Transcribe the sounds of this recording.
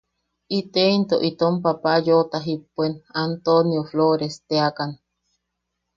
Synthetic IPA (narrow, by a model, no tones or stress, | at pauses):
it̪eint̪oʔit̪ompapajot̪aɦipːuenant̪onjofloɾest̪eakan